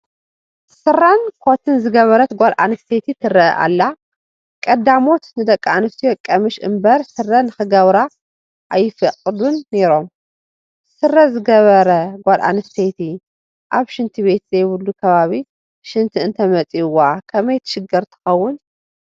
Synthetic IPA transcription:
sɨrːankʰot̪ʰɨnzɨɡɐβɐɾɐt̪ɡʷalʔa̰nɨst̪ʰet̪ʰit̪ʰɨrːɐʔʔa̰lːa | kʼɐd̪amo̞t̪nɨd̪ɐkʼːaanɨst̪ʰijokʼɐmɨʃʔɨ̰mbɐɾsɨrːɐnɨxɨɡɐβɾa | ʔajːɪfɐqʼɨd̪unːe̞ɾo̞m | sɨrːɐzɨɡɐβɐɾɐɡʷalʔa̰nɨst̪ʰet̪ʰi | ʔaβʃɨnt̪ʰiβe̞t̪zɐjβɨlːukʰɐβaβi | ʃɨnt̪ʰiɨnt̪ʰɐmɐt͡sʼiwakʰɐmɐjt̪ʰɐ̥ʃɨɡɐɾt̪ʰɨ̥xɐwːʊn

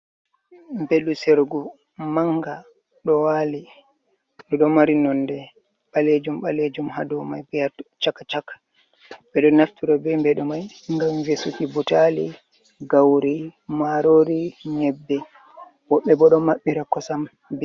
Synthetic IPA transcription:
mbelːusɛɾɡu | maŋɡa | ɗɔwali | ɗɔɗɔmaɾinɔndɛ | ɓaled͡ʒumɓaled͡ʒumha̰dɔmajbɛjat͡ʃakːat͡ʃakːḁ | bɛɗɔnaftiɾabɛmbɛɗɔmaj | ŋɡamvesukibutalḭ | ɡawɾimaɾoɾiɲɛbːɛ | wɔɓːɛbɔɗɔmaɓːiɾakɔsam | bɛ

